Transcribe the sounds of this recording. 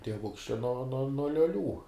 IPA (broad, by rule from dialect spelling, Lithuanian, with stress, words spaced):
tʲiɛˈʋʊks t͡ʃʲɛ noː noː noː lʲoːˈlʲuː